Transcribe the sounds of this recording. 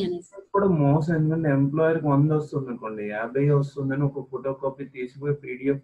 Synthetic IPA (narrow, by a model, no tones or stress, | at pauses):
enɐkːuːɽaːmɔːs̬ɐ̃me̞nd̪ukɐɳʈeemplaːjɐɾkiond̪ʋɐst̪und̪ɐɳkoɳɖiaːbɐjʋɐs̬t̪und̪ɐniɔkɐpoːʈoːkaːpit̪iːsipoːjepiːɽijoː